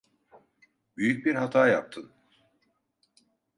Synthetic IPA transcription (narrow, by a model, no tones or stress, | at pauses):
byjyc̚biɾhat̪ʰaːjap̚t̪ʰɯn